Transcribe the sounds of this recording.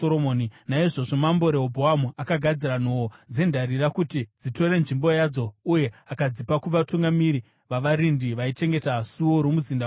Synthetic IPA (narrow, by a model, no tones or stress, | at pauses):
oɾomoːninaiʐo̞ʐo̞mambo̞ɾeobʱoamuʔakaɡʱad͡ziɾanowod͡ze̞ndarirakutid͡zito̞ɾe̞nʐimbo̞jad͡zo̞uje̞akad͡zipakuʋatuŋɡamiɾi | ʋaʋaɾindiʋait͡ʃe̞ŋɡe̞tasuoɾomuzinda